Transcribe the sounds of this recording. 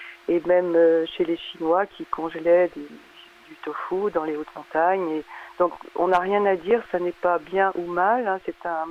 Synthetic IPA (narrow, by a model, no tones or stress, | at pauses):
emɛmøʃeleʃinwakʲʰikɔ̃ʒlɛd̪e | d̪yt̪ofud̪ɑ̃leot̪mɔ̃t̪aɲed̪̥ɔ̃kɔ̰̃naʁjɛ̃nad̪iʁsanɛpabjɛ̃ʔumalɛ̃sɛt̪ɛ̃